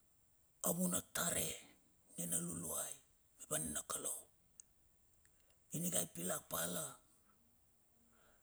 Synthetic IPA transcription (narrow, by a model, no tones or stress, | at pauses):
aβunataɾe̞ | nenaluluaj | mibaninakalow | iniɡajpilak̚pala